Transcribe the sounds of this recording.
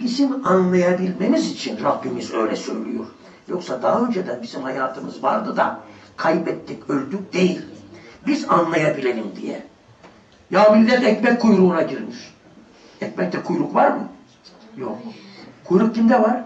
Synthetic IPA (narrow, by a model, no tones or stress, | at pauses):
b̥izimanlˠajabilʲme̞mizit͡ʃʰinɾabːimizø̞jlʲɛsø̞̰jlʲy̰jo̰ɾ̥ | jo̞ksad̪aaø̞nd͡ʒɛd̪ænbizimhajaːt̪ʰɯmɯzva̰ɾd̪ɯd̪a̰kʰajɯpɛt̪ʰːicø̞lʲd̪yk̚d̪e̞jilʲbizanlˠajabilʲeɾimd̪ijɛ̰ | jaːbilʲd̪ʲiɾnɛcmɛc̚ʰkːujɾuːnaɟiɾmiʃ | ɛcmɛc̚t̪ɛkʰujɾukvaɾmɯ | jokkʰujɾuk̚cimd̪ɛvaɾ